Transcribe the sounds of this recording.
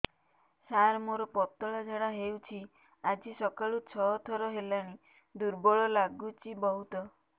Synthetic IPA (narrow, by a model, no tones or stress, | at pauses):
saɾmoɾɔpɔt̪ɔɭad͡ʒeɽaɦewt͡ʃʰi | ad͡ʒisɔkaɭut͡ʃʰɔɦɔt̪ʰɔɾɔɦelaɽ̃i | d̪uɾbɔɭɔlaɡut͡ʃibɔɦut̪ɔ